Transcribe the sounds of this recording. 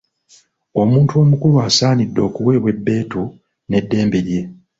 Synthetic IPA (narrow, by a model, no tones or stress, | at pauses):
o̞muːntuo̞mukulwaːsaːnidːo̞ːkuwe̞ːβwe̞bːe̞ːtu | ne̞dːe̞ːmbe̞ɾje̞